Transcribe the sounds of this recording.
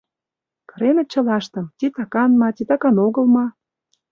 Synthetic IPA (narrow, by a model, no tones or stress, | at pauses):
kɤɾenə̆t͡ɕə̆lɑʃt̪ə̆mt̪ʲit̪ɑkɑnmɑt̪ʲit̪ɑkɑnoɣə̆lmɑ